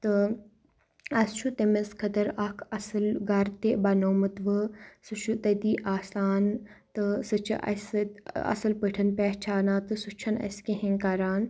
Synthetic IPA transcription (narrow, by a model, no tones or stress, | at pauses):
t̪ɨ | ɐst͡ʃʰut̪emɐskʰɐd̪ɐɾakʰɐsɐlɡaːɾt̪eːbaːnoːmɐt̪ʋɨsɨʃʰut̪ɐd̪iːʔaːsaːn | t̪ɨsɨt͡ʃʰɐ̰ʔɐ̰sɐ̰sɐlpəʈʰɐnpeːɦt͡ʃʰaːnaːt̪ɨsut͡ʃʰɐnɐ̰skeɦẽŋkaːɾaːn